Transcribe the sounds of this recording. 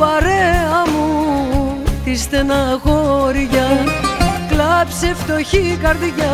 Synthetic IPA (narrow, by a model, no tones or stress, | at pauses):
ɐɾeɐmu | ist̪enɐxoɾiʝɐ | klɐpseft̪oçikɐɾðiʝɐ